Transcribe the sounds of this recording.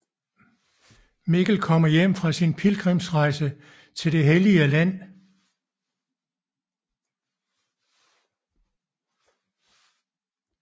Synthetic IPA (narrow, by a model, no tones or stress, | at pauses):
me̝ɡ̥l̩kʰɒ̽m̰ɐjem̰fʁɑ̈sinpʰilɡ̥ʁimsʁɑ̈ɪsə | t͡sʰe̝ld̥e̝ɦeliəlæn̰